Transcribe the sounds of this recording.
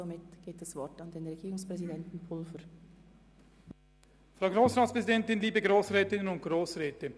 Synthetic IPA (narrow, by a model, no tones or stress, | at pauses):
zomɪtɡ̥eːt̚d̥ɐsv̥ɔɾtɑndeːnʁɛɡ̥iːɾʊŋspʁ̥ɛzidɛntn̩pʰʊlfəɾ | fʁaʊɡɾoːsʁɑːtspʁ̥ɛzidɛntɪnliːbəɡɾoːsʁɛːtɪnənʊnt̚ɡ̥ɾoːsʁɛːtə